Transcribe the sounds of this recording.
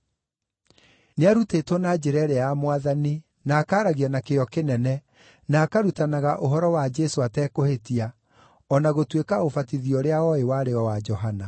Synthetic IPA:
neaɾutetwɔnad͡ʒeɾɛɾeamwaðani | naːkaːɾaɣianakeɔkenɛnɛ | naːkaɾutanaɣaʔoɦɔɾɔwad͡ʒesoatɛkohetia | ɔnaɣotwekaofatiðiɔɾeaɔewaɾeɔwad͡ʒɔɦana

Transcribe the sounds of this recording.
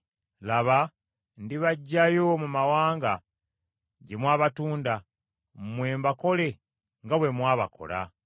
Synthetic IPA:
laβa | ndiβaɟːajo̞mumawaːŋɡa | ɟemwaːβatuːnda | mmwe̞ːmbako̞le̞ | ŋɡaβwe̞mwaːβa̰kʰo̞̰la̰

